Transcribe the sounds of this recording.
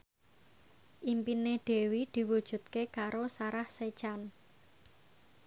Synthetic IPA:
ʔimpineɖ̪̥e̤wid̪̥i̤wud̥ʒ̥ṳt̪̚kekaɾosaɾahse̥t͡ʃan

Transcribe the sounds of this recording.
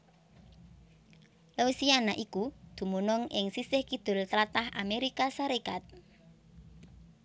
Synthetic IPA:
leusianaʔikud̪̥ṳmunɔŋʔɪ̰ŋsisɪhkid̪̥ʊ̤lt̪ɾat̪ahʔa̰meɾikasaɾekat̪̚

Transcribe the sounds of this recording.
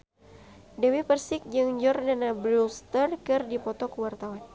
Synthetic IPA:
dɛwipərsɪk̚d͡ʒɨŋd͡ʒɔrdanabɾulst̪ərkɨrdipɔt̪ɔkəwart̪awan

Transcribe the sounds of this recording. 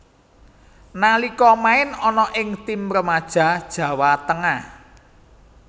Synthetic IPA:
nalikɔmaɪnɔnɔʔɪŋt̪imɾəmad̥ʒ̥a̤d̥ʒ̥ä̤wat̪əŋah

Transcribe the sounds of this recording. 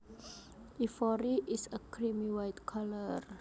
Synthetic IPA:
ifɔɾiʔisəkʰɾimiwajtkʰalər

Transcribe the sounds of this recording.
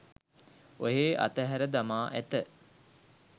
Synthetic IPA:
oɦeːʔa̰t̪əɦæɾəd̪amaːʔæt̪ə

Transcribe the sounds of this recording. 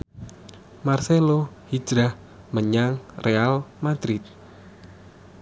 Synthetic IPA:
marselo | hi̥d͡ʒɾah | məɲaŋrʔealmad̪̥ɾit̪̚

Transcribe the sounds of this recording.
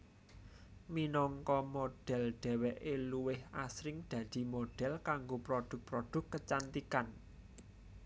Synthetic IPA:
minɔŋkɔmoɖ̥ɛ̤lɖ̪̥ɛ̤wɛʔeluwɪhasɾɪŋd̪̥ä̤d̪̥i̤moɖ̥ɛ̤lkaŋɡopɾod̪̥ʊ̤k̚pɾod̪̥ʊ̤kːət͡ʃant̪ikan

